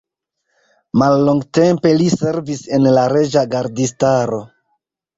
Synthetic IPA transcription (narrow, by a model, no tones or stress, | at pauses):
malːoŋɡte̞mpe̞lise̞ɾvise̞nlaɾe̞d͡ʒaɡaɾdistaɾo̞